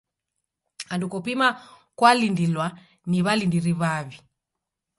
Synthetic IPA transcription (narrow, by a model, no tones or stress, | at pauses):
andukɔpima | kwalindilwa | niβalindiɾiβaβi